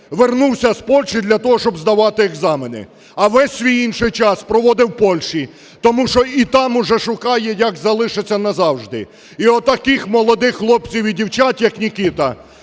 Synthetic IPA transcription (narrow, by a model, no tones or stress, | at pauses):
ʋernuwsʲɐspɔlʲʃɪd̪lʲɐt̪ɔɦɔʃt͡ʃɔbzd̪ɐʋɑt̪ɪeɡzɑmenɪ̰ | ɐʋɛsʲsʲʋʲijinʃɪjt͡ʃɑspɾɔʋɔd̪ɪwpɔlʲʃi | t̪ɔmuʃɔit̪ɑmʊʒɛʃʊkɑjɛjɐkzɐlˠɪʃet͡sʲːɐnɐzɑwʐd̪ɪ̰ | iɔt̪ɐkɪxmɔlˠɔd̪ɪxːlˠɔpt͡sʲiwidʲiwt͡ʃatʲjɐknʲikit̪ɐ